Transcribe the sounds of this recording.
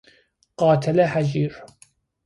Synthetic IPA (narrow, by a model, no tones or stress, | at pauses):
qɑːt̪ʰalaħad͡ʒiːɾ